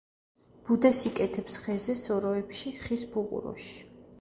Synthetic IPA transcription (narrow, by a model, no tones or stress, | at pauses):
b̥ud̪ɛsikʼɛt̪ʰɛpsχɛzɛsɔɾɔɛpʃiχisbuqʼṵɾɔ̰ʃi̥